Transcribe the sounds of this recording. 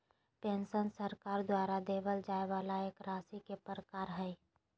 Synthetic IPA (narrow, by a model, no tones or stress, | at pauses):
pẽːnsənsəɾkaːɾd̪waːɾad̪eːbəld͡ʒaːeʋaːlaeːkɾaːsikepəɾəkaːɾɦɛː